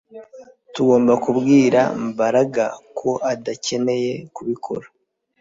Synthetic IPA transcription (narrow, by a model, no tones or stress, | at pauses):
tuɡo̞ːmbakubɡiːɾa̰mbaɾaɡakʰo̞ʔadace̞ne̞je̞kuβikʰo̞̰ɾa